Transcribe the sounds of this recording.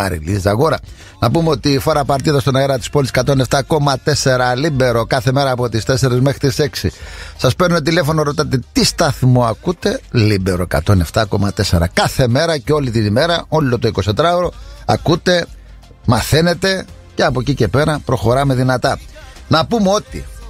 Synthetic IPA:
ɐ̰ɾḭlisɐɣo̞ɾɐ | nɐpumeo̞t̪ifoɾɐpɐɾt̪iðɐst̪o̞nɐeɾɐt̪i̥spoliskɐt̪o̞ne̞ft̪ɐko̞mɐt̪e̞se̞ɾɐlibe̞ɾo̞kɐθe̞me̞ɾɐːpo̞t̪ist̪ese̞ɾezme̞xɾit̪ise̞ksḭsɐspɾnunot̪ile̞fo̞noɾo̞t̪ɐt̪e̞t̪ist̪ɐθmoɐkut̪e̞libe̞ɾo̞ekɐ̰t̪o̞ne̞ft̪ɐko̞mɐt̪e̞se̞ɾɐ̰kɐθe̞me̞ɾɐceo̞lit̪inime̞ɾɐo̞lot̪oiko̞st̪ed̪ɾɐoɾo̞ɐ̰kut̪e̞ | mɐθene̞t̪e̞ | ce̞ɐpocice̞pe̞ɾɐpɾo̞xoɾɐme̞ðinɐt̪ɐ | nɐpumeo̞t̪i

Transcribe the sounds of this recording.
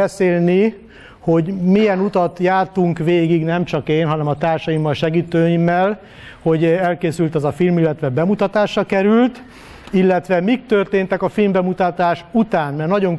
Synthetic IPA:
ɛseːlni | ho̞ɟmijɛnut̪ɒt̪jaːrt̪uŋkʋeːɡiɡnɛmt͡ʃɒkeːnɦɒnɛmɒt̪aːrʃɒjimːɒlʃɛɡiːt̪øːimːɛl | ho̞ɟɛlkeːsylt̪ɛzɒfilmilːɛt̪ʋɛbɛmut̪ɒt̪aːʃrɒkɛɾylt̪ | ilːɛt̪ʋɛmik̚t̪ørt̪eːnt̪ɛkɒfilmbɛmut̪ɒt̪aːʃut̪aːnmɛrnɒɟo̞ŋ

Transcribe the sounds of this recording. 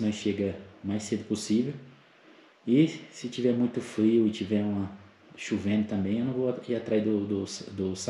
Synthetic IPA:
nɐ̃ʃeɡɐmajsed̪ʊposivew | ɪsɪt͡ʃivɛɾmũj̃t̪ʊfɾiʊɪt͡ʃivɛɾũmɐ | ʃuvẽnʊt̪ɐ̃mbẽj̃ewnɐ̃w̃vowaiat̪ɾaid̪ʊd̪ʊsd̪ʊsa

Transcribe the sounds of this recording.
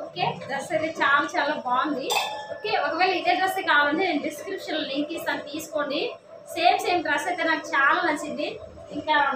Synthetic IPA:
oːkeːɖɾɐsʈɐjt̪et͡ʃaːlaːt͡ʃaːlaːbaːund̪ioːkeːɔkɐʋeːlɐid̪eːɖɾɐst̪eːkaːlɐɳɖineːnɖiskɾipʂɐnlliŋkist̪aːnt̪iːsu̥koɳɖi | seːmt͡ʃeːjɐmɖɾɐstɐjt̪eːnaːkut͡ʃaːlaːnɐt͡ʃind̪i | iŋkaː

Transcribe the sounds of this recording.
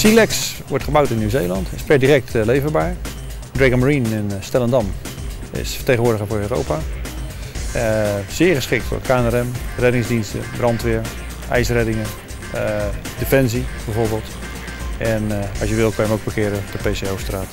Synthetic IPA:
silɛksʋɔɹtχəbawtɪnːyːwzejlˠɑntʰɪspɛɹdirɛk̚tlejvəɹbaːɹ | drɛɡənməɹinɪnstɛlˠəndɔm | ɪ̰sfə̥ɹtejɣənʋʊːɹdəɣəvʊːɹøːro̰wpa | əz̥ɪːəɹχəsχɪk̚tʊ̰ːɹkʰaːnɛɾɛmrɛdɪŋzdinstə̰brɑntʋɪəɹ | ʔɛ̰jsrɛdɪŋə | defɛnsib̥ɛjvoːɹbɪːlˠt | ɛnɑ̰sjəʋɪlˠkʰəjəmowɡ̚bəkɪːɾətəpejseowstraːt

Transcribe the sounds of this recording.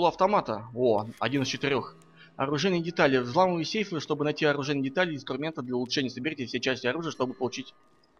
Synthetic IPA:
lˠoɐft̪ɐmat̪əoɐ̰dʲinɨst͡ɕɪt̪ɨɾʲo̞x | ɐ̰ɾʊʐɛjnʲəjədʲɪt̪alʲɪvzlˠaməvɨsʲejfəɨʂt̪o̞bɨnɐjtʲiɐɾʊʐɛjnʲɪdʲɪt̪alʲɪɪnst̪rʊmʲe̞nt̪əd̪lʲɐʊlˠʊʂɛnʲɪjəsəbɪɾʲitʲɪfsʲejt͡ɕæsʲtʲɪɐɾuʐɨjəʂt̪obɨpəlˠʊt͡ɕitʲ

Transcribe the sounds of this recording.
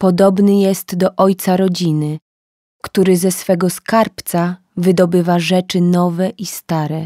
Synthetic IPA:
pɔd̪ɔbnɘjɛst̪d̪ɔʔɔjt̪saɾɔd͡ʑinɘ | kt̪uɾɘzɛsfɛɡɔskaɾpt̪sa | vɘd̪ɔbɘvaʐɛt͡ʂɘnɔvɛʔist̪aɾɛ

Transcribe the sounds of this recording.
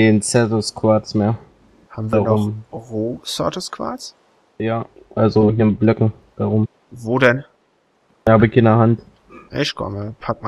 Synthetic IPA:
eːnt͡sɛɐtoskv̥aːtt͡smeːɐ | haːbm̩vaʁʊmʁoːsɔɐtəskv̥a̰ːs | jaː | ʔalzohiːnblœkŋ̩ | d̥aʁʊm | voːdɛn | aːbɪçɪndɛɐhant | ʔɪ̰ʃkʰɔ̰məpʰak̚m

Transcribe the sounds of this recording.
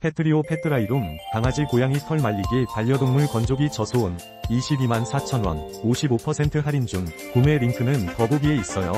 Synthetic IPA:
pʰe̞tʰɯɾiopʰe̞tʰɯɾaiɾumkaŋad͡ʑikojaŋisʰʌɭmaʎːiɡipaʎːʌdoŋmuɭkʌnd͡ʑoɡit͡ɕʌsʰoːn | iɕʰibimansʰat͡ɕʰʌnwʌ̰n | oɕʰibopʰʌsʰe̞ntʰɯɦaɾind͡ʑuŋ | kume̞ɾiŋkʰɯnɯntʌboɡie̞is͈ʌjo̰

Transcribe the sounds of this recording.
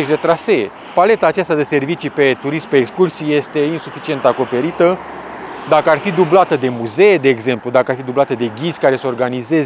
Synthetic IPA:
ʃd̪e̞t̪ɾase̞e | pale̞t̪aːt͡ʃast̪ad̪e̞se̞rvit͡ʃipe̞t̪uɾismpeːkskursije̞st̪e̞insufit͡ʃie̞nt̪ako̞pe̞ɾit̪ə | d̪akəarfid̪ublat̪əd̪e̞muze̞ed̪e̞ːɡze̞mplud̪akəarfid̪ublat̪əd̪e̞ɡʲizʲkaɾe̞səo̞rɡanize̞z

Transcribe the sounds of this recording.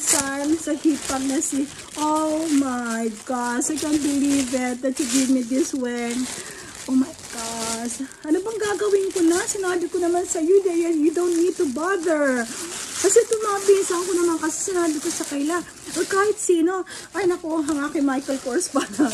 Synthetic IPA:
sansɐhiːpɐk̚nɐsi | ʔowmajɡaʃɐjkant̪̚bɪliːvɪt̪̚d̪ɐt̪̚t͡ʃuɡɪvmid̪ɪswɛn | ʔomɐjɡ̥asʔɐnobɐŋɡaːɡɐwɪnkonɐsɪnaːbɪkonɐmansɐjod̪ɐjɛjud̪õwnt̪̚nid̪̚t̪ubadɛɹ | kɐsɛt̪ʊmabɪsɐɐŋkonɐmankɐsɛsɐnaːbɪko̞sɐkɐjla | ʔɐkaːhɪt̪̚siːno̞ | ʔɐjnɐko̞ɦɐŋakɪmajkɛlkoɹspɐaɾɐ

